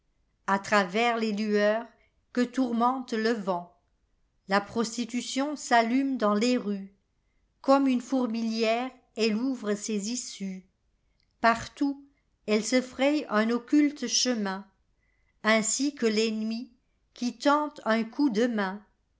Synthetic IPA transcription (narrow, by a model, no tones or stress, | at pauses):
at̪χavɛʁlelyœːʁ | kət̪uʁmɑ̃t̪ləvɑ̃ | lapχɔst̪it̪ysjɔ̃salymd̪ɑ̃leʁy | kɔmynfuʁmiljɛʁ | ɛluvʁəsezisy | paʁt̪u | ɛlsəfχɛjœ̃nɔkʲylt̪ʃəmɛ̃ | ɛ̃sikəlɛnmi | kʲit̪ɑ̃t̪œ̃kʰud̪əmɛ̃